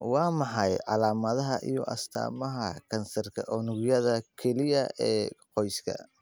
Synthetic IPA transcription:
wɑːmɑħɑjʕɑ̰laːmɐðɐɦɐʔḭjɔ̰ʔɐ̰st̪ʰa̰ːmɐɦɐkʰɐnsɐrkʰɐʔɔnʊɣjɐðɐkʰɛlɪjɐʔɛːqɔjskʰɐ̰

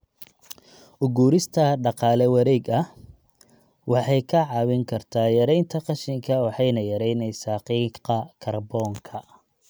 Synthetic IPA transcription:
ʔʊɡuːɾɪst̪ʰɐɖɑqɑːlɛwɑɾɛːɡɐh | wɑħɑjkʰɐʕɑwɪŋkʰɐrt̪ʰaːjɐɾɛjnt̪ʰɐqɑʃɪŋkʰɐwɑħɑjnɐjɐɾɛjnɛjsaːqiːqɐkʰɐrbɔːŋkʰɐ

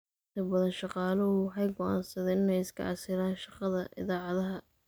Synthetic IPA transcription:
ɪnt̪ʰɐbɐðɐnʃɑqɑːlɐʊwħɑjɡɔʔa̰ːnsɐðɛnɪnɛjɪskʰɐ̰ʔɑsɪɾaːnʃɑqɑðɐʔɪ̰ðaːʕɑðɐɦɐ

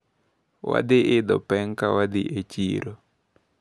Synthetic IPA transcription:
wa̰d̪ɪʔɪd̪ɔpɛŋkawad̪ɪʔet͡ʃḭɾo

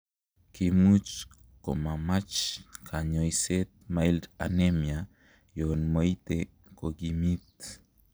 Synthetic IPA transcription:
kimut͡ʃ | komamat͡ʃkʰaɲojset̪̚majlɾa̰nemja | jonmojt̪e | koɡimit̪̚

